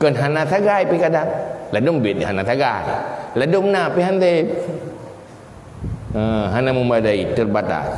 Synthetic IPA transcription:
kəːnɦaːnaːt̪ʰaɣaːjpkadaŋlɛdombit̚ihanaːt̪ʰaɡaːjlɛdomnaːpiɦant̪e | əːɦanamumadajt̪ɯt̚bat̪a̰ːj

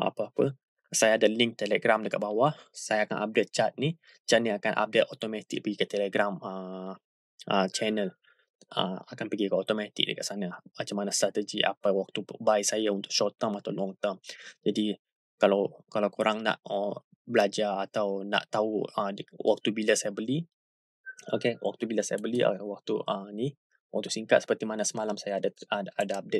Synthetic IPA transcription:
a̰pəapə | sajaːdaliŋk̚t̪eləɡɾamdəkat̪̚bawaʔsajaaka̰nʔa̰p̚det̪̚t͡ʃat̪̚ni | t͡ʃaniakanʔa̰p̚det̪ot̪omat̪ɪk̚pəɡikət̪ɛləɡɾamə | ʔət͡ʃɛnəl | ə̰makanpəɡikəot̪omat̪ɪ̰k̚də̰kaʔ̪sanamat͡ʃamanast̪ɾat̪əd͡ʒiʔa̰pawak̚t̪ubaisajaunt̪ʊkʔʃɔt̪əmat̪awlɔŋt̪əmd͡ʒadi | kalawkalawkoɾaŋna̰ʔə | bəlad͡ʒaat̪awna̰ʔt̪auəwʔa̰k̚t̪ubilasajabəli | o̰kewʔa̰k̚t̪ubilasajabəlḭwak̚t̪uənih | wak̚t̪usiŋkat̪̚sə̥pərt̪imanasəmalamsajaːdaadaap̚det̪̚

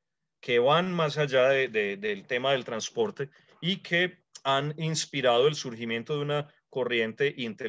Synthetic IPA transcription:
ke̞βanmas̬ad͡ʒaðed̪ed̪elt̪e̞maðe̞lt̪ɾanspo̞ɾt̪e̞ | ikʰe̞ | aninspiɾað̞o̞e̞lsuɾximjẽ̞nt̪o̞ðeuna | ko̞rje̞nt̪e̞ʔint̪e

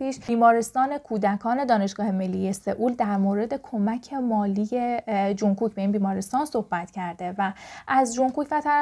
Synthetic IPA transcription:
piːʃbiːmɒːɾest̪ɒːne̞kʰuːd̪ækʰɒːne̞d̪ɒːne̞ʃɡ̥ɒːhe̞me̞lːije̞se̞ʔuːld̪æɾmoːɾe̞d̪e̞kʰo̞mæcʰe̞mɒːliːjed͡ʒuŋkuːcbe̞inbiːmɒːɾest̪ɒːnsohbæt̪cʰæɾd̪e̞væʔæzd͡ʒuŋkuːcvæt̪ʰæ

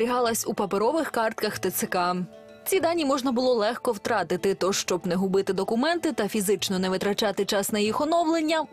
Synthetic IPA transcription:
ɾʲiɦɑlˠɐsʲupɐpeɾɔʋɪxkɑrt̪̚kɐxt̪ɐt̪sɪkɑ | t͡sʲid̪ɑnʲːimɔʒnɐbʊlˠɔlˠɛxkɔwt̪ɾɑt̪ɪt̪ɪt̪ɔʃt͡ʃɔbnɛɦʊbɪt̪ɪd̪ɔkʊmɛnt̪ɪt̪ɐfʲizɪt͡ʃnɔnɛʋɪt̪ɾɐt͡ʃɑt̪ɪt͡ʃɑsnɐjixɔnɔwlˠenʲːɐ

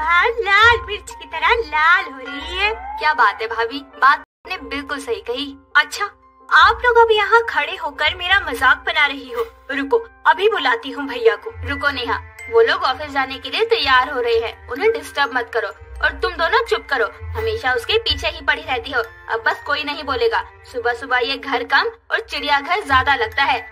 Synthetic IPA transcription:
alaːlbɪɾt͡ʃkit̪ɐɾəlaːlɦoːɾɐɦiɦɛːkjaːbaːt̪ɦɛbʱaːbiːbaːt̪̚ː | pnẽbɪlkʊlsɐɦikɐɦiːɐtːʃʰaː | aːploːɡɐ̃bʱijɐɦãkʰɐɽeɦoːkɐɾmeːɾamɐzaːk̚bɐnaɾɐɦiɦoː | ɾʊkoɐbʱibʊlaːt̪iɦũbʱɐjːãkoːɾʊkoneɦã̰ːʋoːloːɡɔːfɪs̬d͡ʒaːnekeliet̪ɐjːaːɾɦoɾɐɦeɦɛ̰ːʊnɦẽɖɪsʈəɾbmɐt̪kɐɾoːɔ̰ːɾt̪ʊmd̪oːnõt͡ʃʊp̚kɐɾoːɦɐmeːʃaʊskepiːt͡ʃʰeɦipɐɽ̤iɾɛɦt̪iɦoː | ɐ̰bːɐskoːinɐɦĩboːleːɡaː | sʊbʱasʊbʱaɦieɡʱɐɾkɐmɔːɾt͡ʃɪɽijaɡʱɐɾzjaːd̪alɐɡ̚t̪aɦɛː

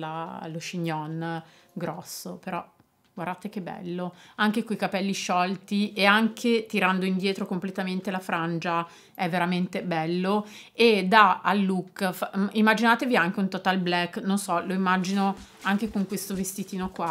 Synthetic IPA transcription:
laloʃiɲːɔn | ɡɾɔsːopeɾɔ | ɡward̪at̪ek̟ebːɛ̰lːoaŋk̟ekoikapɛlːiʃɔlt̪ieaŋkʰet̪iɾand̪oind̪jɛːt̪ɾokomplet̪ament̪elafɾand͡ʒa | ɛvːeɾament̪ebɛlːo | ed̪aalːukːfaimːad͡ʒinaːt̪eviaŋk̟eunt̪ot̪alblɛkːnonsɔloimːad͡ʒino | aŋk̟ekoŋkwest̪ovest̪it̪iːnokwa

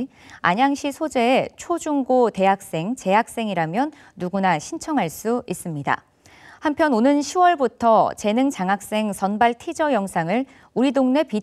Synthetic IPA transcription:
a̰ɲaŋɕʰisʰod͡ʑe̞ːt͡ɕʰod͡ʑuŋɡote̞ɦak̚s͈e̞ŋt͡ɕe̞ɦak̚s͈e̞ŋiɾamjʌnː | uɡunaɕʰint͡ɕʰʌŋɦaɭs͈uis͈ɯmɲida̰ | hampʰjʌnonɯnɕʰiwʌɭbutʰʌt͡ɕe̞nɯŋt͡ɕaŋak̚s͈e̞ŋsʰʌnbaɭtʰid͡ʑʌjʌŋsʰaŋɯɭ | uɾidoŋne̞pi

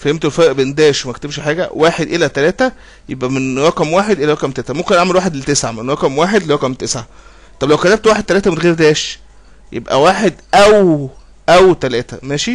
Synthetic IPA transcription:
fæhemt̪elfɑɾʔbend̪æːʃwmækt̪ebʃħaːɡæ̰waːħed̪ʔelæt̪ælæːt̪æ | jebʔæmenɾɑkæmwaːħed̪ʔelæɾɑkæmt̪eːsʕæmomkenʔaʕmelwaːħed̪elt̪esʕamenɾɑkæmwaːħed̪lɾɑkæmt̪esʕa | t̪ˤɑblæwkæt̪æb̚t̪waːħed̪̚t̪ælæːt̪æmenɣeːɾd̪æːʃ | jʔḛbʔæ̰waːħed̪ʔæw | ʔæwt̪ælæːt̪æmæːʃi

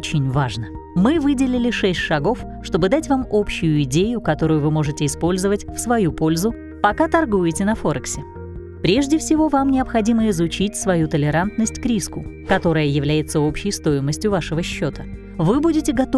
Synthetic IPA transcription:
t͡ɕɪnʲvaʐnə | mɨvɨdʲɪlʲɪlʲɪʂɛsʲtʲʂɐɡo̞f | ʂt̪o̞bɨd̪atʲvamo̞pɕːʊjʊɪdʲejʊkɐt̪o̞ɾʊjʊvɨmo̞ʐɨtʲɪɪspo̞lʲzəvətʲfsvɐjupo̞lʲzʊ | pɐkat̪ɐrɡujɪtʲɪnɐfo̞ɾəksʲɪ | pɾʲe̞ʐdʲɪfsʲɪvo̞vamnʲɪɐpxɐdʲiməɪzʊt͡ɕitʲsvɐjut̪əlʲɪɾant̪nəsʲtʲkɾʲiskʊ | kɐt̪o̞ɾəjəjɪvlʲæjɪt̪səo̞pɕːɪjst̪o̞jɪməsʲtʲjʊvaʂɨvəɕːo̞t̪ə | vɨbudʲɪtʲɪɡɐt̪

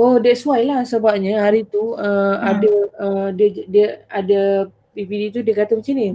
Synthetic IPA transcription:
odiəsuajlahsəbap̚ɲə̃ɦaɾit̪uəadaədədiəada | pipidit̪udiəkat̪əmət͡ʃanĩ

